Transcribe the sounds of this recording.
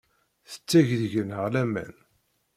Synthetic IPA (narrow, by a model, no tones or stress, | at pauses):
θə̥t͡sːæʝðəʝənɦəʁlæmæ̰n